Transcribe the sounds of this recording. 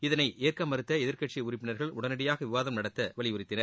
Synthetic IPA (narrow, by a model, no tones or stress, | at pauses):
ɪðɐnɐɪʔeːrkɐmːɐɾɯt̪ːɐɛðɪɾkɐʈt͡ʃɪʊrɪpːɪnɐɾɣɐɭʊ̰ɽɐnɐɽɪjaːɣɐʋɪʋaːðɐmnɐɽɐt̪ːɐʋɐɭɪʊrɪt̪ːɪnɐɾ